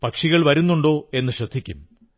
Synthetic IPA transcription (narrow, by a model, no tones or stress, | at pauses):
pɐkʂiɣɐɭʋɐɾunːuɳɖo̞ːe̞nːɨɕrɐd̪ʱːikʲːṵm